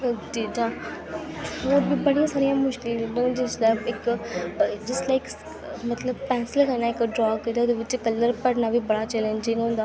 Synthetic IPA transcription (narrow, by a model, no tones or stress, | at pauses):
diːd̪aː | oːɾbʱiːbəɽijãːsaːɾijãːmʊʃkɪled̪ə̃d͡ʒɪslabɪk | d͡ʒɪslaːɪk | mət̪ləbpɛ̃ːnsɪlkənaːɪkɖɾɔːɡed̪eoːd̪eːʋɪt͡ʃkəlːəɾpəɽnaːbʱiːbəɽaːt͡ʃɛːlə̃nd͡ʒɪ̃ŋɡɦõːnd̪aː